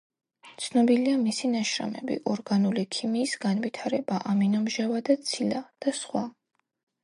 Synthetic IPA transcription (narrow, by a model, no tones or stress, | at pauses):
t̪sʰnɔbiliamisinaʃɾa̰mɛ̰bḭʔɔɾɡanulikʰimiːsɡanvit̪ʰaɾɛbaʔaminɔmʒavad̪at̪sʰilad̪̥asχwa